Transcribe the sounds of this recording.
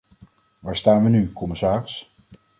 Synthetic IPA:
ʋaːɹstaːnʋənykɔmɪsaːrɪs

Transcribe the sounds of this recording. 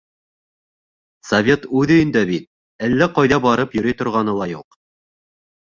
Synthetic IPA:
sɐvʲet̪ʉðɘ̆jɘ̆nd̪æbit̪̚ | ælːæqɑjðɑbɑɾɤpjɵ̆ɾɘjt̪ŏɾʁɑnɤlˠɑjuq

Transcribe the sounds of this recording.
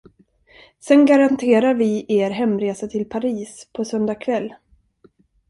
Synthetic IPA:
sɛnɡaɾant̪ʰeːɾaɾvɪeːɾɦɛmːɾeːsat̪ʰɪlpʰaɾiːspʰɔsœnd̪akʰvɛlː

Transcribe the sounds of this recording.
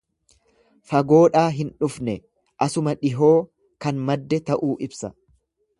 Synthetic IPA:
fɐɡo̞ːᶑaːɦɪnᶑʊfnɛ | ʔɐsʊmɐᶑɪɦoː | kɐnmɐd̪ːɛt̪ɐʔuːʔɪbsɐ

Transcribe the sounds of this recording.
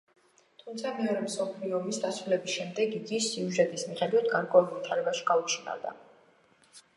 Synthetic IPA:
t̪ʰumt̪sʰamɛɔɾɛmsɔpʰliɔːmisd̪asulɛbisʃɛmd̪ɛɡiɡisiuʒɛt̪ʼismiχɛd̪wit̪ɡaɾkʼwɔɛɛbulˠvit̪ʰaɾɛbaʃi̥ɡaut͡ʃʰina̰vd̪a̰

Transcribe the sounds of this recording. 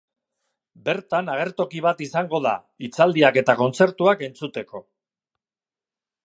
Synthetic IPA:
be̞ɾt̪anaɣ̞e̞ɾt̪o̞kiβ̞at̪isaŋɡo̞ða̰ | it͡sald̪iake̞t̪ako̞nt͡se̞ɾt̪uake̞nt͡sut̪e̞ko̞

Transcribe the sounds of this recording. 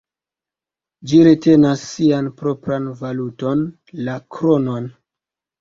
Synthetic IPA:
d͡ʒiɾete̞nasːianpɾo̞pɾanvaluto̞n | lakɾo̞no̞n

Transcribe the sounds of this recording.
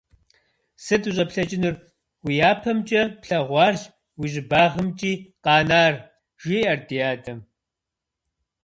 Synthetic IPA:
sɨduɕʼɐpɬɐt͡ʃʼɪnɨr | wijaːpʰɐmt͡ʃʼɐpɬɐʁʷɑːrɕ | wiʑɪbaːʁəmt͡ʃʼiːqɑːnaːr | ʒ̥ijɐrdijaːdʰʼɐm

